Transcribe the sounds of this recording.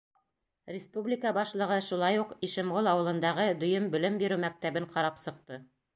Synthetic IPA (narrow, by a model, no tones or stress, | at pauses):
rʲɪspublʲikəbɑʃlˠɤ̆ʁɤʃulˠɑjuqiʃɘ̆mʁolˠɑwɤ̆lˠɤ̆nd̪ɑʁɤd̪ɵ̆jɵmbɵ̆lɘmbiɾɘwmæk̚t̪æβɘɴqɑɾɑpsɤ̆q̚t̪ɤ